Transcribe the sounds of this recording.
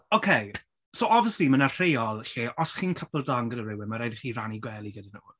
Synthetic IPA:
okʰej | sowɔbvjəslimənar̥ejɔlˠɬeːʔɔsχiːnkʰəpʰəlˠdɔnɡɾəɾɪwɪnmaɾajdχiːraniɡwɛlˠiɡədənɔ̰w

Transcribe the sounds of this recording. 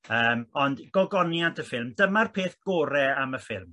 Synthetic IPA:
əːmɔndɡ̥ɔlˠɡɔnjantʰəfɪlˠmdəmarpʰeːθɡ̥ɔːɾɛaməfɪ̰lˠm

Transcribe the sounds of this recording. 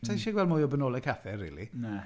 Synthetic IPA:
tʰaʃɛɡwɛlˠmʊːjɔbɛnɔlˠɛkʰaθɛrːḭːlina

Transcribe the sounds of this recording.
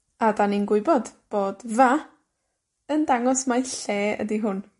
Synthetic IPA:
adaninɡwʊɨbɔd̥b̥oːd̥va | əndaŋɔsmajɬeːə̰diɦʊn

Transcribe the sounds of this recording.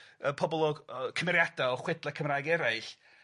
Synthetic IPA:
əpʰɔbɔlˠɔkʰəmɛɾjadaɔχwɪdlˠɛkʰəmrajɡɛɾaɨɬ

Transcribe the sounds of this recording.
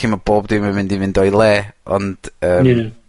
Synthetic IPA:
imɔboːb̚dɪmamɪndinvɪndɔjlˠɛːɔ̰nd̥əːa

